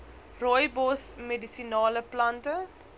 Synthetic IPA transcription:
rɔjbɔsmedisinɑːləplɐntə

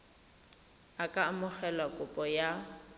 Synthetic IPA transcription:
akʼamʊk͡xɛlakʼʊpʼɔja

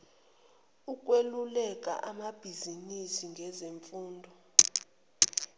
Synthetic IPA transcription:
uk̬ʼwelulɛkʼa̰ʔamab̥ʱizinisiŋɡʱɛzeɱfuːndʱɔ

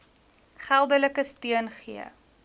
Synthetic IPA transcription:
χælˠdələkəstiənχḭə

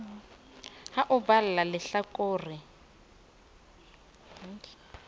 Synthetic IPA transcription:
haʔʊballalɪɬakʼoːrɪ

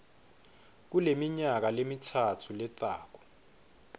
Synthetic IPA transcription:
k̬ulemiɲak̬alemitʰatʰulɛtʼaːk̬ɔ̥

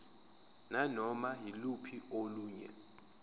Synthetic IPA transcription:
nanɔmaɦilupʰioluːɲɛ̰

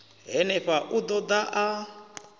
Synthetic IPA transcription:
ɦɛnɛɸaʔud̪ɔd̪aʔa

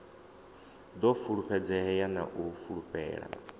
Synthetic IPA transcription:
d̪ɔfuɺupʰɛd͡zɛɦɛjana̰ʔufuɺupʰʼɛ̰ːɺa̰

